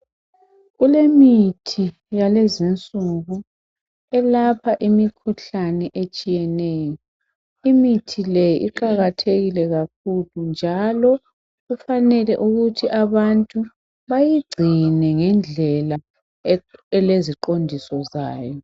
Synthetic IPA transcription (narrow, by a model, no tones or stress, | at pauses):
ɣulemitʰi | jalezint͡sʼuɣu | ɛlapʰaʔimikʰuɬanɛʔet͡ʃʼijɛnɛːjɔ | imitʰilɛjʔiǃaɣatʰeɣilɛɣak̚ʰulund͡ʒʱalɔ | ɣufanɛlɛʔuɣutʰiʔaβantʼu | βajiɡ͡ǀʱinɛŋɛnd͡ɮʱɛla | ɛleziǃondʱisɔza̰ːjɔ